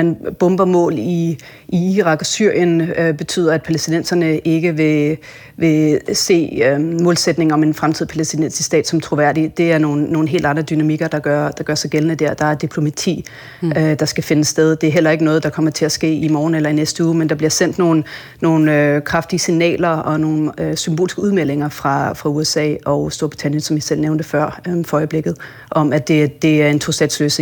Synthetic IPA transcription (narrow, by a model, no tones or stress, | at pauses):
enb̥ɔ̽mb̥ɐmɔ̰̽ːli | iiʁɑ̈ɡ̥ɒ̽syɐ̰jənøb̥e̝t͡sʰy̰ːðˠɐæd̥̚pʰælesd̥inen̰sɐnəʔe̝ɡ̥əʋe̝ | ʋe̝se̝̰ːømɔ̽ːlsed̥ne̝ŋɒ̽me̝nfʁamt͡sʰið̰ˠpʰælesd̥inensi̥sd̥ɛ̰ːd̥sɒ̽mt͡sʰʁo̝ʋæɐ̰d̥id̥e̝æɐno̝ːnːo̝ːn̩ɦe̝̰ːld̥ɑ̈nd̥ʁɐd̥ynæmiɡ̥ɐd̥ɑ̈ɡ̥ɶɐd̥ɑ̈ɡ̥ɶɐsɑ̈ɪɡ̥elənəd̥eɐ̰d̥ɑ̈æɐd̥ipʰlo̝mæt͡sʰḭː | ød̥ɑ̈sɡ̥æfe̝nəsːd̥eð̞ˠd̥e̝æɐɦel̰ɐe̝ɡ̥ənɔ̽ːð̩ˠd̥ɑ̈kʰɒ̽m̰ɐt͡sʰe̝læsɡ̥e̝̰ːimɒːn̩elɐinesd̥əuːmend̥ɑ̈b̥liɐsen̰d̥no̝ːn̩ː | o̝ːn̩økʰʁɑ̈fd̥iəsinɛ̰ːlɐɒ̽no̝ːn̩øsymb̥o̝ːlisɡ̥əuðˠmel̰e̝ŋɐfʁɑ̈fʁɑ̈uesɛ̰ːɒ̽ʊsd̥o̝ɐb̥ʁi̥t͡sʰænjənsɒ̽mjisel̰neʊnd̥əfɶɐ̰øfɒɒɪb̥le̝ɡ̥ð̞̩ˠ | ʔɒ̽mæd̥e̝d̥e̝æɐe̝nt͡sʰo̝sd̥ɛ̰ːd̥slø̰ːse